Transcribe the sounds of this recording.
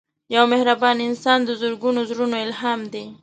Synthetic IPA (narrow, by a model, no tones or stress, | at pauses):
jawmehɾabɑniɪnsɑnd̪əzʊɾɡunozɾunoɪlɦɑmd̪e